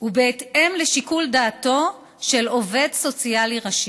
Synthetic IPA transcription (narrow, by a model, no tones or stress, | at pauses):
ubeːt̪e̞mleʃikuldaːto̞ | ʃe̞lo̞ve̞d̪so̞t͡sialiʁaʃi